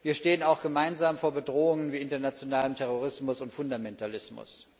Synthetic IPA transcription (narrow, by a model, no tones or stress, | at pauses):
viːɐʃteːənaʊxɡ̥əmaɪnzaːmfoːɐbədʁoːʊŋənviːɪntɐnat͡sjonaːləmtʰɛʁ̞oʁ̞ɪsmʊsʊntfʊndamɛntalɪsmʊ̰s